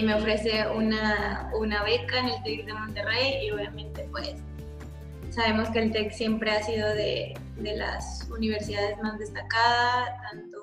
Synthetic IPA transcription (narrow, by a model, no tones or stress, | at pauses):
me̞ofɾe̞se̞unaunaβe̞kaene̞lt̪ekðe̞mo̞nt̪erejio̞βjamẽ̞nt̪e̞pwesː | aβe̞mo̞ske̞ːlt̪eksje̞mpɾe̞asið̞o̞ðḛ | ðe̞la̰suniβ̞e̞ɾsiðað̞e̞zmazðe̞st̪akaðat̪ant̪o